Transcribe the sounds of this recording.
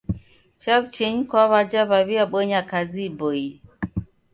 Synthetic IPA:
t͡ʃabt͡ʃeɲkwaβad͡ʒaβaβiaɓəɲakaziboi

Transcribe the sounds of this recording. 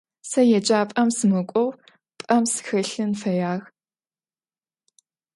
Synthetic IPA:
sɐjɛd͡ʒʼaːpʼɐmsɨmɨkʷʼɔw | pʼɐmsɨ̥xɨɬɨnfɐjaːɣ

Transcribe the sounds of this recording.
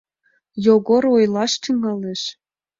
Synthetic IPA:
joɣoɾojlɑʃt̪yŋɑleʃ

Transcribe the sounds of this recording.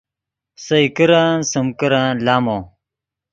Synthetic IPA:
sɐikiɾãːnsɐmkiɾãːnlaːmõː

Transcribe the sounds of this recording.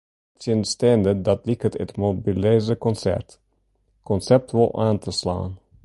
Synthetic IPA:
tənəstɛndəd̪ɑtlɪkətətmobilezəkɔnsɛ̰ɹt | kɔnsɛp̚tɪlˠʔaːnt̪əslɑ̰ːn

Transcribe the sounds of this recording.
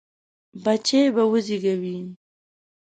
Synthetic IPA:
bat͡ʃebawʊziɡawi

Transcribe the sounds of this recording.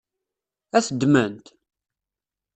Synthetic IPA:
æθəd̪mənt̪

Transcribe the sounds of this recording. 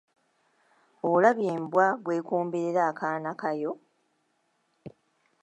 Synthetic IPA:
olaβjeːmbwaβwe̞ːkuːmbeɾeɾaːkaːnakajo̞

